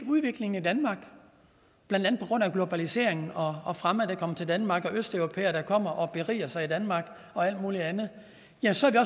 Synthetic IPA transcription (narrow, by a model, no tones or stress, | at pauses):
uð̞ˠʋe̝ɡ̥le̝ŋn̩id̥ænmɑ̈ɡ̥ | b̥lænd̥ænð̩ˠpʰɒ̽ɡ̥ʁɔ̽n̰æɡ̥lo̝b̥ælise̝ɐ̰eŋn̩ɒ̽ːfʁaməd̥ekʰɒ̽m̰ɐt͡sʰe̝ld̥ænmɑ̈ːɡ̥ɒ̽ʔøsd̥œʊʁo̝pʰḛːɐɾ̥æ̈kʰɒ̽m̰ɐʔɒ̽b̥e̝ʁḭːɐsɑ̈ɪid̥ænmɑ̈ːɡ̥ | ɒ̽æl̰d̥muːliænð̩ˠ | jæmnsɒæɐʋiɒ̽